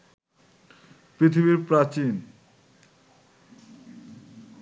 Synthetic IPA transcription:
pɾit̪ʰibiɾpɾat͡ɕin

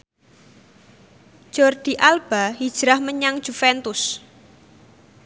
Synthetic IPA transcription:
ʒ̥ɔrd̪̥i̤ʔalb̥a̤ɦid̥ʒ̥ɾahməɲaŋd̥ʒ̥ufɛnt̪ʊs

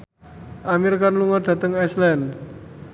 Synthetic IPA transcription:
ʔamiɾkanluŋɔɖ̪̥a̤t̪əŋɛslɛn

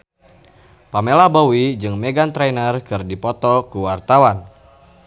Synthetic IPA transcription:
pamelabowid͡ʒɨŋmeɡant̪ɾanərkɨrdipɔt̪ɔkuwart̪awan

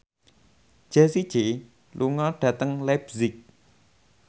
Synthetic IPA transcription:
d͡ʒ̥ɛsid̥d͡ʒ̥e | lʔuŋɔɖ̥ä̤t̪əŋlɛbzɪk̚

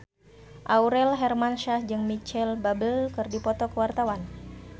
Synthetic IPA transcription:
ʔauɾɛlɦɛrmanʃahd͡ʒɨŋmit͡ʃɛlbabəlkɨrdipɔt̪ɔkəwart̪awan

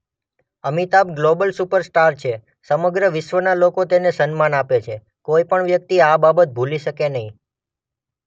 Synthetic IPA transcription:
əmit̪ap̚ɡlobəlsupəɾsʈaɾt͡ʃʰe | səməɡɾəʋɪʃʋənalokot̪enesənmanapet͡ʃʰe | koipəɳʋjək̚t̪iababət̪̚bʱuliʃəkenəɦĩ

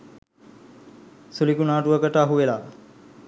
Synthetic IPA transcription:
sulikunaːʈuʋəkəʈəaɦuʋelaː

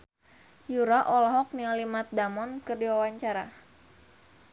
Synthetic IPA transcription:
juɾaʔɔlɔɦɔk̚nialimat̪̚damɔnkɨrdiwawaɲt͡ʃaɾa

